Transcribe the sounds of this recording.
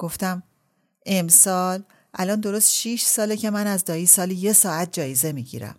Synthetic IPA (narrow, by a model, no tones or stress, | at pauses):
ɡ̥o̞ft̪æm | e̞msɒːl | ʔælɒːnd̪o̞ɾo̞st̪ʃiʃsɒːlecʰe̞mænæzd̪ɒːjiːsɒːlije̞sɒːæt̪̚d͡ʒɒːjeze̞miːɟḭɾæ̰m